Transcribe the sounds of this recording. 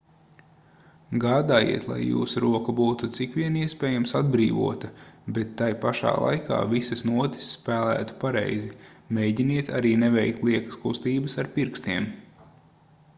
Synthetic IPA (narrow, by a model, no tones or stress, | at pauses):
ɡaːd̪aːjḭɛt̪lˠa̰jːṵːsuɾuɔkɐbuːt̪ut̪sikʋʲiɛniɛspɛːjamsad̪bɾiːvṵɔt̪ɐbet̪ːajpaʃa̰ːlˠa̰jka̰ːvisɐsnuɔt̪i̥sːpæːlˠæ̰ːt̪u̥paɾɛ̰jzimejɟiniɛt̪ʰa̰ɾiːnevɛjk̚t̪lˠiɛkɐ̥skust̪iːbəsaɾpiɾkst̪iɛm